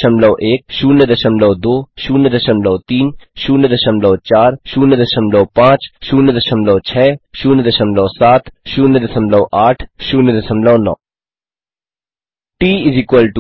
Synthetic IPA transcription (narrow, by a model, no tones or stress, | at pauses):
ʃəmlɔːʔeːk̚ʃuːnəd̪əʃəmlɔːd̪oːʃuːnəd̪əʃəmlɔːt̪iːnʃuːnəd̪əʃəmlɔːt͡ʃaːɾʃuːnəd̪əʃəmlɔːpãːt͡ʃʃuːnəd̪əʃəmlɔːt͡ʃʰɛːʃuːnəd̪əʃəmlɔːsaːt̪ʰʃuːnəd̪əʃəmlɔ̃ːʔaːʈʰʃuːnəd̪ɐʃəmlɔ̃ːnɔ̰ː | ʈiːɪzɪkwəlʈ